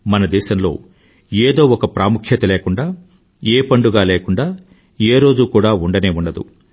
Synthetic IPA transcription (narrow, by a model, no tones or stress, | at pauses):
mɐnɐd̪ɛːʃɐmlo̞̰ː | eːd̪o̞ːɔkɐpɾaːmukʰjɐt̪ɐleːkuɳɖaː | eːpɐɳɖuɡaːleːkuɳɖaː | eːɾo̞ːd͡ʒukuːɽaːuɳɖɐneːuɳɖɐd̪ṵ